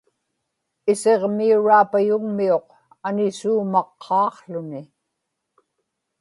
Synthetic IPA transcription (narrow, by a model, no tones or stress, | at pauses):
ɪse̞ʁmiuɻaːpajʊŋmio̞q | anɪsuːmɑqʰːɑːqɬʊnɪ